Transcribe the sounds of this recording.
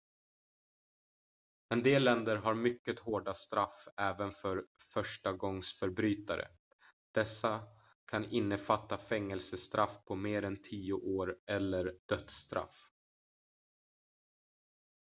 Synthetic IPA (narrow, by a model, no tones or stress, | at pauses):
ɛnd̪eːlːɛnd̪əɾɦaɾmʏkːət̪hoːɖast̪ɾafɛːvənfœɾfœʂʈaɡɔŋsfœɾbɾyːt̪aɾʔə̰ | d̪̥ɛsːa | kʰanɪnːəfat̪ːafɛŋːɛlsəst̪ɾʔafpʰɔmeːɾɛnt̪ʰiːʊʔoːɾʔɛlːəɾɖ̪̥œt̪st̪ɾa̰f